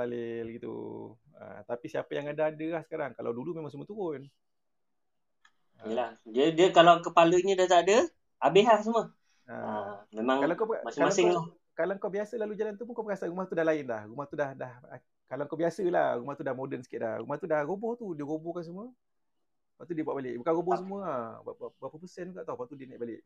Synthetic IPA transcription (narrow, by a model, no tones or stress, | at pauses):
alɪlɡit̪ṵə̰t̪apisiapajaŋadaadəlahsə̥kaɾaŋkala̰wdulumemãŋsəmũət̪uɾʊn | ijəlahdiədiəkalawkəpaləɲədat̪aadə | abeɦlaʔs̬əmə | ə̰amemãŋkalaŋkawbmasŋamasɪŋlɔh | kalaŋkawbiasəlalud͡ʒalant̪upuŋkawbəkasaɾumaht̪udahlaɪnlahrumaht̪udahdah | kalawŋkabiasəla̰hrumaht̪udahmodənsə̥kɪt̪̚la̰hrumaht̪udahrobɔht̪udiəɣobɔhkans̬əmuə | paʔt̪udiəbuaʔbalɪʔ̚bəkanɾobɔhs̬əmũəabbapəpəsənkaʔt̪ɔhpat̪udiənɛʔbalɪʔ